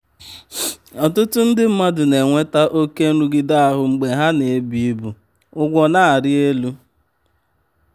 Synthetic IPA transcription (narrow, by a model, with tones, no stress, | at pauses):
ɔ˨tʊ˦tʊ˦n̩˦dɪ˦m̩˦ma˦dʊ˨ne˨ŋʷe˦ta˦ʔo˦ke˦ɾu˦ɡɪ˨da˦a˨ɦʊ˨ŋ͡m̩˨ɡ͡be˨ɦa˦ne˨e˨˦bi˦i˦bu˨ | ʊ˦ɡʷɔ˦na˦˨a˨ɾɪ˦e˦lu˦